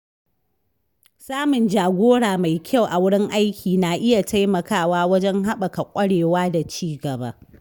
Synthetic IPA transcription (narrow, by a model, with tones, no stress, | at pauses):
saː˦mʊ˨nd͡ʒaː˨ɡʷoː˦ɽaː˨ma˨jkʲʰa˦˨wʔa˨wʊ˦ɽɪ˦ŋʔa˦jkʲʰiː˨na˨ʔɪ˦ja˨tʰa˦jmɐ˨kaː˦˨waː˦wɐ˦d͡ʒɛ˦ŋɦa˦ɓɐ˨ka˨kʷʼɐ˦ɽeː˨waː˦da˨t͡ʃiː˦ɡɐ˨ba̰˦